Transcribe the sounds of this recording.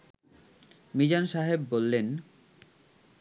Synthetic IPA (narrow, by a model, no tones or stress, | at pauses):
mid͡ʑanʃaɦebːolːen